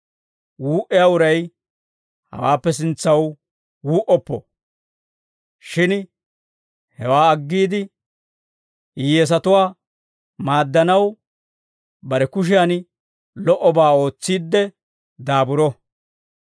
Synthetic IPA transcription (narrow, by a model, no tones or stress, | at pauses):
wuːʔɪjaːʊɾɐj | hɐ̰waːpːɛs̬ɪnt͡sːɐw | wuːʔɔpːɔ̰ | ʃɪn | hɛwaːɐɡːiːd̪ɪ | ɪjeːs̬ɐt̪ʊwaː | maːd̪ːɐnɐw | bɐɾɛkʊʃ̬ɪjan | lɔʔɔbaːo̞ːt͡sːiːd̪ːɛ | d̪aːbʊɾɔ